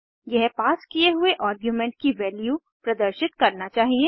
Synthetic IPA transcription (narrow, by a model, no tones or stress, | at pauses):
jɛɦpaːskieɦʊeʔaːɾɡjumɛ̃ɳʈ̚kiʋɛːlju | pɾɐd̪əɾʃɪt̪kɐɾnat͡ʃaːɦiẽ